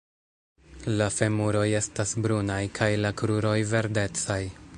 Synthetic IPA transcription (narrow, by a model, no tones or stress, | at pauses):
lafe̞muɾo̞je̞stasbɾunajkʰajlakɾuɾo̞jve̞ɾde̞t͡saj